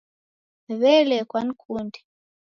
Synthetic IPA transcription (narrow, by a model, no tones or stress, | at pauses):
βɛlɛkwan̩kʰundi̥